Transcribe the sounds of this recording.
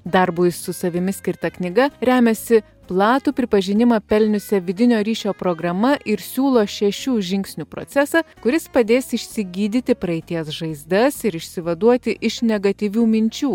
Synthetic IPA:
d̪ɐɾbʊsʊsɐʋʲɪmʲɪsʲkʲɪɾt̪ɐknʲɪɡɐɾʲæːmʲɛsʲɪ | plˠɑːt̪uːpʲɾʲɪpɐʒʲɪnʲɪmɐpʲɛlʲnʲʊsʲɛʋʲɪd̪ʲɪnʲoːɾʲiːʃʲoːpɾoːɡɾɐmɐʔɪɾsʲuːlˠoːʃʲɛʃʲuːʒʲɪŋʲksʲnʲuːpɾo̰t̪sʲɛsɑkʊɾʲɪspɐd̪ʲeːsɪʃʲsʲɪɡʲiːd̪ʲɪt̪ʲɪpɾɐɪt̪ʲiɛsʒɐɪzd̪ɐsɪɾɪʃʲsʲɪʋɐd̪uɔt̪ʲɪʔɪʃnʲɛɡɐt̪ʲiʋʲuːmʲɪnʲt͡ʃʲuː

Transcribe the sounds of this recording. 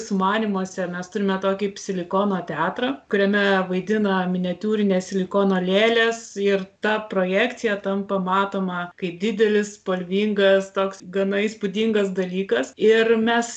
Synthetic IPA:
sʊmɑːnʲimoːsʲɛmʲɛst̪ʊɾʲɪmʲɛt̪oːkʲɪpʲsʲɪlʲɪkoːnoːt̪ʲɛɑːt̪ɾɐkʊɾʲɛmʲɛʋɐɪd̪ʲɪnɐmʲɪnʲɛt̪ʲuːɾʲɪnʲeːssʲɪlʲɪkoːnoːlʲeːlʲesɪrt̪ɐpɾoːjæːkt̪t͡s̪ʲɪjɛt̪ɐmpɐmɑːt̪oːmɐkɐɪp̚d̪ʲɪd̪ʲɛlʲɪspoːlʲʋʲiːŋɡɐst̪oːksɡɐnɐispʊd̪ʲiŋɡɐsd̪ɐlʲiːkɐsɪrmʲɛs

